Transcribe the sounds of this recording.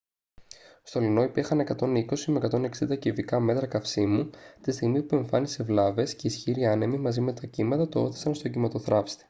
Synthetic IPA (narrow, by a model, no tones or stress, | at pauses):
st̪o̞lino̞ipiɾxɐne̞kɐt̪o̞niko̞simekɐt̪o̞ne̞ksind̪ɐcivikɐme̞t̪ɾɐkɐfsimut̪ist̪iɣmipue̞ɱfɐnise̞vlɐve̞sce̞isçiɾiɐne̞mimɐzime̞t̪ɐcimɐðɐt̪o̞oθi̥sɐnst̪o̞ɟimɐt̪o̞θɾɐfst̪i̥